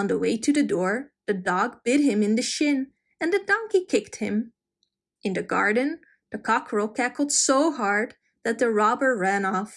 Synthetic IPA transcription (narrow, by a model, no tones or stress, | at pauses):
ə̃nðəweɪɾʰɨðɨdɔɹðɨdɔɡ̚b̥ɪɾ̚ɦɪ̃mɨ̃nðɨʃɪ̃n | ɨ̃nðɨdɑ̃ŋkikʰɪk̚t̚hɪ̰̃m | ʔɨ̃nðɨɡɑ̰ɹdⁿn̩ | ðɨkʰɑkʰɹoʊkʰækl̩ˠd̥soʊɦɑɹd̪̚ | ðɨt̪̚ðɨɹɑbə˞ɹæ̃nɔf